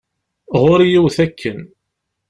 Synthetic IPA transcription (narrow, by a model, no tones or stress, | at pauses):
ʁoɾijiwθækʰːən